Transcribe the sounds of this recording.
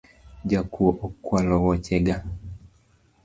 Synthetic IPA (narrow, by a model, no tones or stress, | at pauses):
d͡ʒakuɔʔɔkwalɔwɔt͡ʃɛɡa